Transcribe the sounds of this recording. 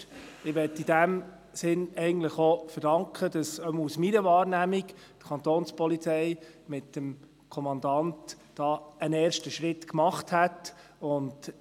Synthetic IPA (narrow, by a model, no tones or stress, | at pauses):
ɪʋɛtːid̥æm | sɪnɛɪɡən̩tləχofəɾd̥ɑŋkχədɑsœmusmiɾəʋɑːɾnæmik | tə̥kʰɑntoːnspɔlit͡sɛɪ | mɪtəm | kʰɔmɑndɑnt | d̥ɑːənɛːɾʃtəʃʁɪtkmɑχthætʊnd